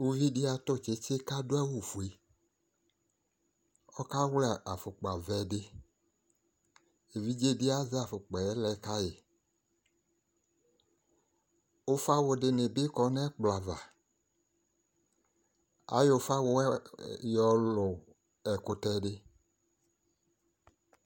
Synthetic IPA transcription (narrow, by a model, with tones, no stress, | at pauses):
wu˦vi˦di˦a˨t̪ʊ˦˨t͡ʃe˦t͡ʃe˦ka˦do˦a˦wu˨fu˨e˨ | ɔ˦ka˦wlɛ˦˨a˨fʊ˨k͡pa˨vɛ˨dɪ˦ | e˨vi˦d͡ʒe˦dɪ˦a˦za˨fʊ˨k͡pɛ˨ɛ˦lɛ˨˦ka˦je˨ | o˦fa˦wʊ˨dɪ˨nɪ˨bɪ˦kɔ˨˦nɛ˦k͡pla˨va˨ | a̰˨˦jo˨˦fa˦wʊ˨˦jɔ˨lʊ˨ | ɛ˨kʊ˦tɛ˦ɖɪ˦